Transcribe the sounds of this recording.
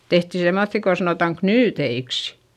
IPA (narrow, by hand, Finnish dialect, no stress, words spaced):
tehtiˑ semːoθːi ko sɑnoˑtɑŋ knyːteiks